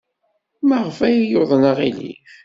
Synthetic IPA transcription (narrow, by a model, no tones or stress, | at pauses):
məʁəfæjijoðˤənəʁilḭ